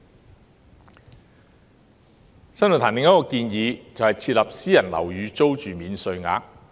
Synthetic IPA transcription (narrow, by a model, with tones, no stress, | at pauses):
sɐ˥no˨˩t̪ʰaː˨˩nɪ˨ŋjɐ˥kɔː˧kiː˧njiː˨˧t͡sɐ˨whjt͡sʰiː˧t̚lɐ˨p̚siː˥jɐ˨˩nlɐ̰˨˩wjyː˨˧t͡so˥wt͡ʃyː˨miː˨˧nsɵ˧ɥŋa̰ː˧˥k̚